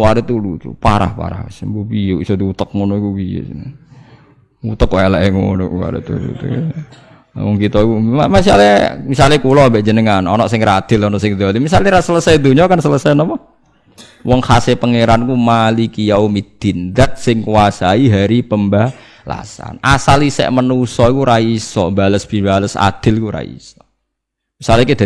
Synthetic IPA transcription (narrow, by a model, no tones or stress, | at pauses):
waɾet̪ulut̪ṵpaɾa̰hpa̰ɾa̰hasmbubijuʔisod̪iut̪ək̚munokubijṵ | ut̪əkajalaʔɛŋunʊʔwa̰ɾḛt̪ṵlṵt̪ṵ | wɔŋkit̪ɔkuamas̬ialmisalekulɔbəʔd͡ʒənəŋanɔnɔʔsɪŋrɾad̪̥ɪlɔnɔʔsɪŋd̪alimisalɲiɾasələsajd̪uɲɔkansələsajnɔma | wɔŋhasepəŋeɾankumalikijaumid̪̥ind̪at̪̚sɪŋkuwasaiɦaɾipəmba | la̰sa̰nʔasalisɛ̰ʔmənusɔikuɾaisɔ̰mbaləsb̥i̤baləsa̰d̪̥ɪ̤lkuɾa̰ḭsɔ̥ | misalikud̪